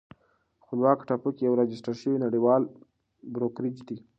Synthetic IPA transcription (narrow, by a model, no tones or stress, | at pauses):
xpəlwɑkʈapukijawɾɑd͡ʒɪsʈaɾʃəwinaɽiwɑl | bɾokɾid͡ʒd̪i